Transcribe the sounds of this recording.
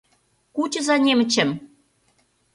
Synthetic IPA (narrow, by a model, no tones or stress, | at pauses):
kut͡ɕə̆zɑnʲemɘ̆t͡ɕɘ̆m